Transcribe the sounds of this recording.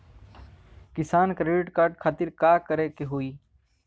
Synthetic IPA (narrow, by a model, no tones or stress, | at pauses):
kɪsaːnkɾeːɖɪʈkaːɾʈkʰaːt̪ɪɾkaːkəɾekeɦuiː